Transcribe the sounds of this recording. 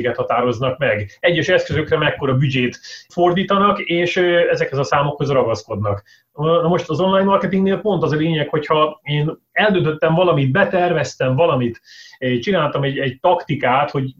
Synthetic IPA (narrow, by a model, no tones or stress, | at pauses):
ɡɛt̪hɒt̪aːɾo̞znɒkmɛɡɛɟːɛʃɛskøzøkrɛmɛkːo̞ɾɒbyd͡ʒeːt̪fo̞rd̪iːt̪ɒnɒkeːʃɛzɛkhɛzɒsaːmo̞kho̞zrɒɡɒsko̞d̪nɒk | nɒmo̞ʃt̪ɒzo̞nlaːjnmɒrkɛt̪iŋɡneːlpo̞nt̪ɒzɒleːɲɛkho̞chɒeːn | ɛld̪ønt̪øt̪ːɛɱvɒlɒmid̪t̪̚bɛt̪ɛrvɛst̪ɛɱvɒlɒmit̪ːt͡ʃinaːlt̪ɒmɛɟɛɟ̚t̪ɒkt̪ikaːt̪ho̞ɟ